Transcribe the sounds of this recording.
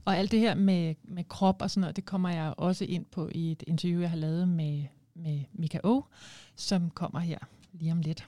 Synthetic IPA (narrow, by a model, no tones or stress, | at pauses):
ʔɒ̽æl̰d̥ːe̝he̝ɐ̰memekʰʁɒ̽b̥ɒsɒ̽nːɔːð̰̩ˠd̥e̝kʰɒ̽m̰ɐjɑ̈ɪʔɒ̽səʔe̝n̰pʰɒ̽ʔie̝d̥e̝nt͡sʰɐjṵːjɑ̈hɑ̈lɛːʊð̞̩ˠme | memikʰæʔo̝̰sɒ̽mkʰɒ̽m̰ɐɦeɐ̰ | liːɒmle̝d̥